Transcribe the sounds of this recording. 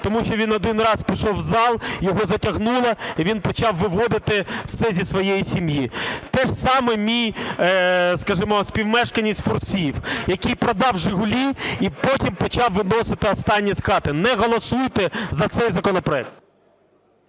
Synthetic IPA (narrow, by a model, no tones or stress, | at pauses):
t̪ɔmuʃt͡ʃɔʋʲinɔd̪ɪnrɑspʲiʃɔwzɑlˠjɔɦɔzɐtʲɐɦnulˠɐiʋʲinpɔt͡ʃɑwʋɪʋɔd̪ɪt̪ɪwsɛzʲisʋɔjejisʲimjit̪ɛʃsɑmɛmʲij | skɐʒɪmɔsʲpʲiwmɛʃkɐnʲisʲtʲfʊrt͡sʲiwjɐkʲijpɾɔd̪ɑwʒɪɦʊlʲiipɔtʲimpɔt͡ʃɑwʋɪnɔsɪt̪ɪɔst̪ɑnʲːisxɑt̪ɪnɛɦɔlˠɔsujt̪ɛzɐt̪sɛjzɐkɔnɔpɾɔɛk̚t̪̚